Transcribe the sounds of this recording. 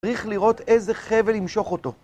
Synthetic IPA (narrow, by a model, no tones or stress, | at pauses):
ʁiχliʁo̞t̪ezeχevelimʃo̞χo̞to̞